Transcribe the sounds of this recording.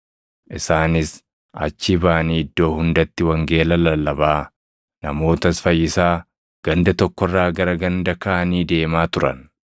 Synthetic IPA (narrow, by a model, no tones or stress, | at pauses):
ʔɪsaːnɪs | ɐ̰t͡ʃːɪbaːniːɪd̪ːo̞ːhʊnd̪ɐt̪ːɪwɐŋɡe̞ːlɐlɐlːɐbaː | nɐmo̞ːt̪ɐsfɐjːɪsaː | ɡ̥ɐnd̪ɐt̪ɔkːɔrːaːɡɐɾɐɡɐnd̪ɐkɐʔɐniːd̪e̞ːmaːt̪ʊɾɐ̰n